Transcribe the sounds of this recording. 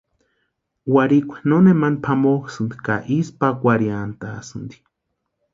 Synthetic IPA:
waɾikʷe̥nonemanpʰamoxsɨnd̪i̥ka̰ʔispakʷaɾjant̪asɨnd̪i̥

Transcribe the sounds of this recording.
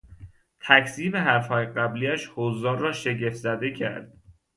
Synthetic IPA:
t̪ʰækʰsiːmeɦæɾfhɒːjeɢæbliːæʃhozːɒːnrɒːʃe̞ɟe̞fzæd̪e̞kcʰæ̰ɾd̪̥̚

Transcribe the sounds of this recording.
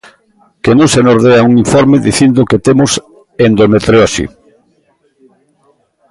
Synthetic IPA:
kenõŋsenoɾðeauŋiɱfɔɾmeðiθind̪ʊket̪emʊs | end̪omet̪ɾeɔsḭ

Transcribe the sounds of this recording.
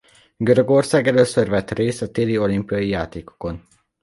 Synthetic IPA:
ɡøɾøɡo̞rsaːɡɛløːsørvɛt̪reːst̪ɒt̪eːlio̞limpijɒjijaːt̪eːko̞ko̞n

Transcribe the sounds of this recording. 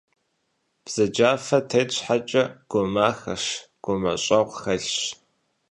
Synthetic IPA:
b̥z̥ɐd͡ʒaːfɐtʰeːt͡ɕʷħat͡ʃʼɐɡ̥ʷomaːxɐʂɡ̥ʷomɐɕʼɐʁʷxɐɬɕ

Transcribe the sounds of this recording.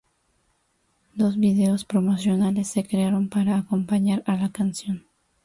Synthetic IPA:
d̪o̞zβiðe̞o̞spɾo̞mo̞sjo̞nale̞sːe̞kɾeaɾo̞mpaɾaːko̞mpaɲaɾalakansjo̞n

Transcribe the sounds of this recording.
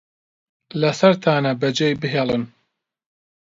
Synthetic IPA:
lɐsɐɾt̪ʰaːnɐbɐd͡ʒejbɨɦeːlˠɨn

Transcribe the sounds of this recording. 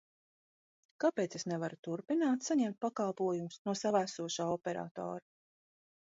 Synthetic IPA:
kapet̪sesnevaɾut̪uɾpinaːt̪saɲɛmt̪̚pakalˠpuɔjumʊsnuɔsavæsuɔʃaːɔpɛɾa̰ːt̪ɔ̰ːɾa

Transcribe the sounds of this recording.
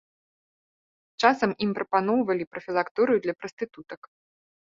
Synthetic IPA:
t͡ʂasɐmimpɾɐpanɔwvɐlʲipɾɐfʲilˠakt̪uɾɨjud̪lʲɐpɾɐst̪ɨt̪ut̪ɐk

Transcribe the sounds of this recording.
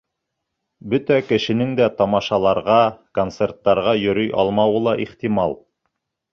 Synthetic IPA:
bɵt̪ækɘ̆ʃɘ̆nɘŋd̪æt̪ɑmɑʃɑlˠɑɾʁɑkont̪sert̪ːɑɾʁɑjɵ̆ɾɵjʔɑ̰lˠmɑwɤlˠɑʔiχt̪imɑlˠ

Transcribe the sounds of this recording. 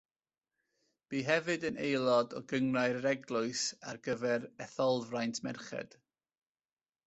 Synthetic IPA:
b̥iːɦɛvɨdənejlˠɔdɔɡəŋraɨɾəɾɛɡlˠʊɨsa̰rɡəvɛɾɛθɔlˠvrajntʰmɛrχɛ̰d̥

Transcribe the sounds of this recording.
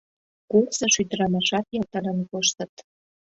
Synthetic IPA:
kursɤ̆ʃyd̪əɾɑmɑʃɑt̪jɑt̪əɾə̆nkoʃt̪ə̆t̪

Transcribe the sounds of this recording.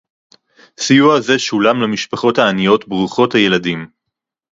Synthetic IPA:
sijuaze̞ʃulamlamiʃpaχo̞taːnijo̞tbʁuχo̞thaje̞ladim

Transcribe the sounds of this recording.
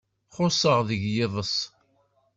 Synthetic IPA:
χʊsˤəʁðəʝjɪðˤəsˤ

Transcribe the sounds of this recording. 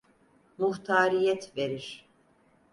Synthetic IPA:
muht̪ʰaːɾijɛt̪ve̞ɾiɾ̥

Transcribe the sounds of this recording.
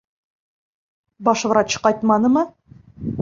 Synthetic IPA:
bɒʃvɤ̆ɾɑɕɤ̥qɑɒjt̪mɑnɤmɤ

